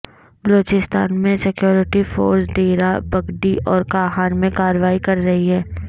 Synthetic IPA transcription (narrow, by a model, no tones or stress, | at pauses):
bɐloːt͡ʃɪst̪a̰ːnmẽsɪkjoːɾɪʈifo̰ːɾsɖeːɾabɐɡɖiʔɔːɾkaːɦaːnmẽkaːɾəʋaːikɐɾːɐɦiɦɛ̃ː